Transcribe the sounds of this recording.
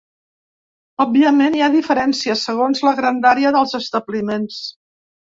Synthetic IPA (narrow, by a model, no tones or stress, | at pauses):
ɔb̚biəmeniaðifəɾɛnsiəsəɣ̞onzləɣɾand̪aɾeəðəlˠzəst̪əblimens